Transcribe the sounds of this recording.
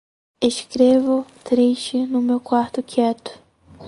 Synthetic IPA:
eʃkɾevʊt̪ɾeʃt͡ʃɪnʊmewkwaɾt̪ʊkʰɛt̪ʊ̥

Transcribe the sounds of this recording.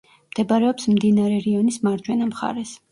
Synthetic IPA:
md̪̥ɛbaɾɛɔpsmd̪inaɾɛɾiɔnismaɾd͡ʒwɛnamχa̰ɾɛs

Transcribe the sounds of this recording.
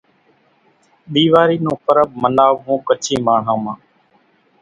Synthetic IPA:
ɗiːʋaːɾiːnũːpəɾəb̚mənaːʋɦũːkət͡ʃʰiːmaːɳ̤ãːmãː

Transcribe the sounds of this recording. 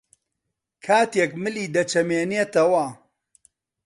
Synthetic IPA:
kʰaːt̪eːkmɨliːd̪ɐt͡ʃɐmeːneːt̪ɐwɐ

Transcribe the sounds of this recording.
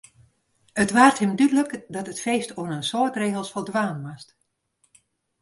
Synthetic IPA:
ətʋaːrthɪmdydləkdɔtətfeːstʰoənənsoətreːɣəlˠsfɔlˠdʋaːnʋast

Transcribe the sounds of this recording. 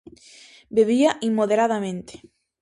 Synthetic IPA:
beβ̞iaʔimmːoð̞eɾaðamẽnt̪e̥

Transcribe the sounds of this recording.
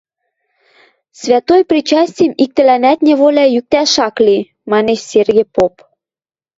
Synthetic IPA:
svʲæt̪ojprʲit͡ɕɑsʲtʲiəmik̚t̪ɘ̆lænæt̪nʲĕβolʲæjyk̚t̪æʃɑkli | mɑneʃserɣʲĕpop

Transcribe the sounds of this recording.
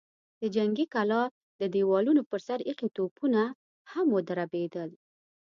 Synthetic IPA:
d̪̥əd͡ʒaŋɡikalɑ | d̪əd̪ewɑlunopəɾsaɾiqit̪opuna | hamwod̪aɾabed̪əl

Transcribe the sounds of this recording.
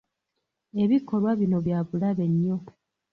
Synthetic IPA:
e̞βikʰo̞lwaβino̞βjaːβulaβe̞ɲːo̞

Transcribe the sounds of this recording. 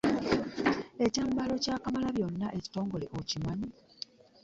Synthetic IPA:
e̞caːmbalo̞caːkamalaβjo̞nːaʔeci̥to̞ːŋɡo̞le̞ʔocimaɲi

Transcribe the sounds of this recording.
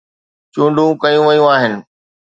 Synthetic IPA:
t͡ɕũːɳɖʱũkɐjũʋɐjũaːɦɪnɪ̆

